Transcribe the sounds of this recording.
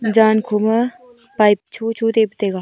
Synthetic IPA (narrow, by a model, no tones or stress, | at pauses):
d͡ʒaːnkʰumə | paːjpt͡ʃʰuːt͡ʃʰuːt̪eːpət̪eːɡaː